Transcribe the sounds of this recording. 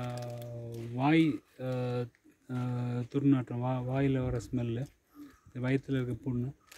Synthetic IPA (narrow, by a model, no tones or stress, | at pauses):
ʋaːj | t̪ʊɾnaːʈrɐ̃ʋaʋaːjɪlɐʋɐɾɐsmɛlːe | ʋɐjɐt̪ːɪlɐɪɾɯk̬ːɐpuɳnːũ